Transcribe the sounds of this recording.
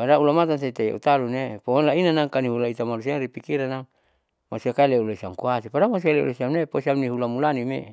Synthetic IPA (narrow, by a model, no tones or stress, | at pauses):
padaulamat̪ans̬eit̪ejḛʔṵt̪alunepoonlainanaŋkaniɦulait̪amalusiaŋɾipikiɾanaŋ | masiakaeleulaisiaŋkuasipadamas̬ialeṵlesiamneposiamniɦulamulanimḛ